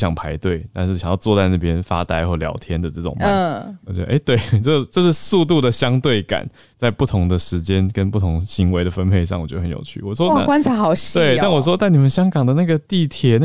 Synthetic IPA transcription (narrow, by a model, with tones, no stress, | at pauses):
ɕjɑ˨˩ŋpʰa˧˥ɪt̪we˥˩ɪt̪a˥˧nɻ̩˥˩ɕjŋjɑ˥˧ʊt͡swɔ˥˧t͡sa˥˧ɪna˥˩pjɛ˥nfa̰˥t̪a˥˧ɪxwɔ˥˩ljɑ̰˧˥ʊt̪ʰjɛ˥nd̪ə˨ʈ͡ʂɤ˥˩ʈ͡ʂʊ̰˨˩ŋma˥˦˥ɔ˨˩t͡ɕɥɛ̰˧˦d̪ə̰˧ʔe˥˩ɪt̪we˥˩ɪʈ͡ʂɤ˥˩ʈ͡ʂɤ˥˧ʂɻ̩˥˧su˥˧t̪̬u˥˩d̪ə˩ɕjɑ˥ŋt̪we˥˩ɪka̰˨˩˦n | t͡sa˥˧ɪpu˥˩t̪ʰʊ˧˥ŋd̪ə˨ʂɻ̩˧˥t͡ɕjɛ˥nkə˥npu˥˩t̪ʰʊ˧˥ŋɕi˧˥ŋwe˧˥ɪɾə˨fə˥npʰe˥˧ɪʂɑ˥˩ŋwɔ˨˩t͡ɕɥɛ˧˥ə˧˩ə˦jo̰˨˩ʊt͡ɕʰy̰˥˩wɔ˨˩ʂwɔ̰˥˨˥kwa˥nt͡sʰa˨˧˥xɑ˨˩˦ʊɕt̪we˥˩ɪt̪a˥˩nwɔ˨˩ʂ̬wɔ˥t͡sa˥˩ɪni˨˩mə˦nɕjɑ˥ŋkɑ˨˩ŋd̪ə˩˦na˥˩ɡə˩t̪i˥˩t̪ʰjɛ˧˥n˥˩